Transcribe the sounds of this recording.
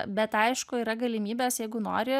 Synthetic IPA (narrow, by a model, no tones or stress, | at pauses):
bʲɛt̪ɐɪʃkʊiːɾɐɡɐlʲɪmʲiːbʲɛːsjɛɪɡʊno̰ːɾʲɪ